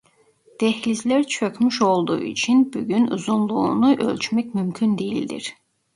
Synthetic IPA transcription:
d̪̥ɛhlizlʲæɾt͡ʃʰøcmyʃo̞lˠd̪ṵṵit͡ʃʰinbuɟynṵzunlˠuːnuʔø̞̰lʲt͡ʃmɛcmymcʰynd̪ejilʲd̪ḭɾ̥

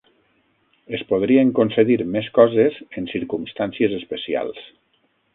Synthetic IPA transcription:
espoðɾieŋkonseðiɾmeskɔzezensiɾkumst̪ansiezespesia̰lˠs

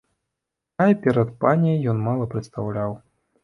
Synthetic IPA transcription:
ajpʲɛɾɐt̪panʲejjɔnmalˠɐpɾɨt̪st̪awlʲaw

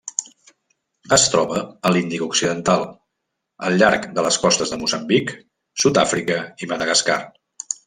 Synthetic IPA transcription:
əst̪ɾɔβəəlind̪ikuksiðənt̪alˠ | ə̰lˠʎaɾkd̪ələskɔst̪əzðəmuzəmbik | sut̪afɾikəiməðəɣəska̰r

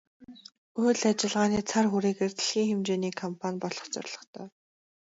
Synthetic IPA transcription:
ɵːɮat͡ɕɪ̆ɮʁaːniːt͡sʰarxuɾeːɣeːrt̪ʰiɬxiːŋxemt͡ɕeːniːkʰɔmpʰanʲpɔɮɞ̥̆χt͡sœ̰rɮɞ̆χt̪ʰœ̰ː

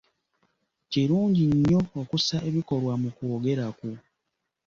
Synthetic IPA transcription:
ceɾuːɲɟiɲːo̞ːkusaʔe̞βiko̞ɾwamukoːɡe̞ɾaku

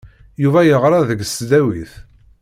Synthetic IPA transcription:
juvæjəʁɾˤɑðəɡsd̪æwiθ

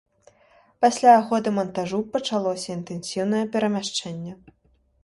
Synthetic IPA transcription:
pasʲlʲaːɣɔd̪ɨmɐnt̪aʐupɐt͡ʂalˠɔsʲɐint̪ɛnsʲiwn̪ɐjɛpʲɛɾɐmʲaʂt͡ʂɛnʲːɛ

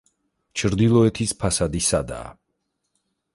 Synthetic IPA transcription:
t͡ʃʰɾd̪ilˠɔɛt̪ʰispʰasad̪isad̪a̰ː

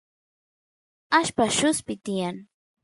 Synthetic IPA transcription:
aʃpaʃʊspɪt̪ɪjaŋ

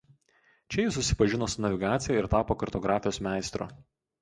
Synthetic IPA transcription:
t͡ʃʲɛjɪsːʊsʲɪ̥pɐʒʲɪnoːsnɐʋʲɪɡɑːt̪sʲɪjɛɪɾt̪ɑːpoːkɐɾt̪ɔɡɾɑːfʲɪjoːsmʲæˑɪst̪ɾo̰ː

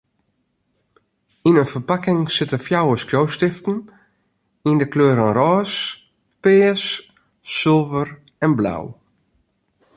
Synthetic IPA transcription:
inənfərpakɪŋsɪtəfjawəskjowstɪftn̩ | indəkløːɾənrɔːs | pɪːəsː | ɪlˠvər | ɛnbla̰w

